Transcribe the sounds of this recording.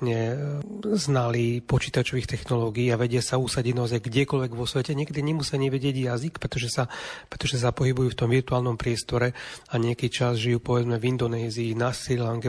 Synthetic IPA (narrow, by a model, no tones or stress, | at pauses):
ɲɛ | znalipɔt͡ʃiːt̪at͡ʃɔʋiːxt̪ɛxnɔlɔːɡiːaʋɛɟɪasausaɟiɟnaɔzajɡɟɛkɔlʋɛɡʋɔsʋɛcɛɲɪɛkɛd̪iɲɛmusiaɲɛʋɛɟɪɛɟjazikpɾɛt̪ɔʒɛsapɾɛt̪ɔʒɛs̬apɔɦibujuːft̪ɔmʋirt̪uaːlnɔmpɾɪɛst̪ɔɾɛaɲɪɛkit͡ʃazʒijuːpɔʋɛd͡zmɛvind̪ɔnɛːziːnaːsillaŋɡɛ